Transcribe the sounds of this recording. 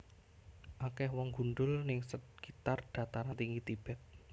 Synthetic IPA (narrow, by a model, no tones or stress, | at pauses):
ʔakɛhwɔŋɡ̥unɖʊlnɪŋsət̪̚kit̪ard̪̥ä̤t̪aɾant̪iŋit̪ib̥ɛt̪̚